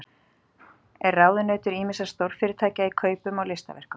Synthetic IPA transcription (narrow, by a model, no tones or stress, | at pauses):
ɛɾrraːwðʏnœːt̪ʏɾiːmɪsḁst̪owɾ̥fɪːɾɪɾt̪ʰaːcaikʰœːɥpʏmawlɪst̪a̰vɛ̰r̥kʏ